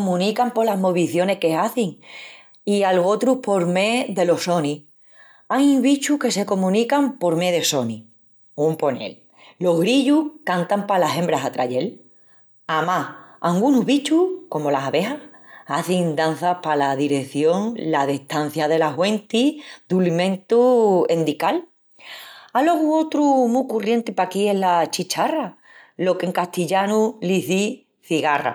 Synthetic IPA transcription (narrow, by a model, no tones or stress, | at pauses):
omũnikampo̞laɦmo̞βiθjo̞ne̞hke̞aθiŋ | ialɣo̞t̪ɾuhpo̞ɾme̞ðe̞lo̞so̞ni | ajuŋβit͡ʃuhke̞se̞ko̞mũnikampo̞ɾme̞ðe̞so̞ni | umpo̞ne̞̰lː | o̞ɦɣɾiʎuhkant̪ampalaɦẽ̞mbɾasat̪ɾaʎe̞l | amahaŋɡunuɦβit͡ʃuko̞mo̞laɦaβe̞ɦah | aθiŋd̪an̟θapalaðiɾe̞θjo̞ŋlaðeht̪an̟θjaðe̞laɦwe̞nt̪iðulimẽ̞nt̪ue̞nd̪ikal | aloɣuot̪ɾumukurje̞nt̪ipakie̞ɦlat͡ʃit͡ʃara | lo̞ke̞ŋkaht̪iʎanuliθi | θiɣara̰